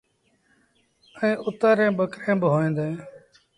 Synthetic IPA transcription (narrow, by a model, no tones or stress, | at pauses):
əẽːʔʊt̪əːɾẽːɓəkɾẽːbɪɦoːĩːd̪ẽː